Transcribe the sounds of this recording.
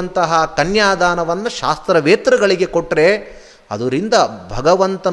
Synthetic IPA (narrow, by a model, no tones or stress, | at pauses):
nt̪ɐɦɐkɐnjaːd̪ʱaːnɐʋɐnːuʃaːst̪ɾɐʋeːt̪ɾɐɡɐɭiɡe̞koʈːɾe̞ | ɐ̰d̪ɐɾind̪ɐbʱɐɡɐʋɐnt̪ɐ